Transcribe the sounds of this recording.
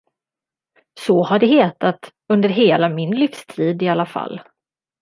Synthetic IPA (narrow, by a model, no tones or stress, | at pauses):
sɔhaɖɛɦeːt̪at̪ | ɵnd̪əɾɦeːlamɪnlɪfst̪ʰiːd̪ɪalːafa̰lː